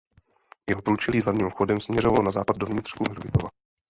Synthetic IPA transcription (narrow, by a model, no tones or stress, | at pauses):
jɛɦo̞pɾuːt͡ʃɛliːzlavɲiːmxo̞dɛmsmɲɛɾovalonazaːpat̪̚dovɲɪt̪r̥xuɦrbɪt̪o̰va